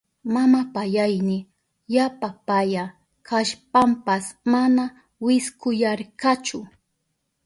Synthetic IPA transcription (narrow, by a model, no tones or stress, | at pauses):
mamapajajnɪ | japapaja | kʰaʃpampasmana | wɪskʊjaɾkat͡ʃʊ